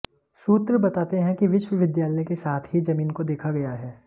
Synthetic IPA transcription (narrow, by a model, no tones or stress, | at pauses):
suːt̪ɾəbɐt̪aːt̪eɦɛ̃kiʋɪʃwəʋɪd̪jaːləjkesaːt̪ʰɦid͡ʒɐmiːnkod̪eːkʰaɡɐjaɦɛː